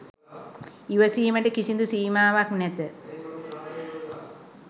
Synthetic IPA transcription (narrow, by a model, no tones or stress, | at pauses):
iʋəsiːməʈəkisind̪usiːmaːʋaknɛt̪ə